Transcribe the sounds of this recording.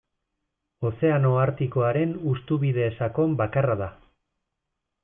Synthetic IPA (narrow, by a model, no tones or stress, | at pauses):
o̞se̞ano̞aɾt̪iko̞aɾe̞nust̪uβiðe̞ːsako̞mbakaraða